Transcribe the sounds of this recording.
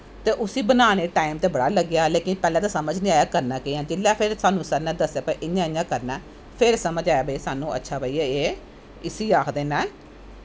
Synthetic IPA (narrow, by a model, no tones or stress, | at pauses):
t̪eːʔʊsiːbənaːɽ̃eːʈaːɪmt̪eːbəɽaːləɡjaːleːkɪnpɛːlɛ̃ːt̪aːsəməd͡ʒnĩːaːjaːkəɾnaːkeãːd͡ʒɪlːaːpʰɪɾsaːnũːsəɾnãːd̪əsjaːpəʔɪɲãːɪ̃ɲãːkəɾnaː | pʰɪɾsəməd͡ʒaːjaːbəisaːnũːə̰tːʃʰaːbəiːeeː | ɪsiːaːkʰd̪eːnɛ̃ː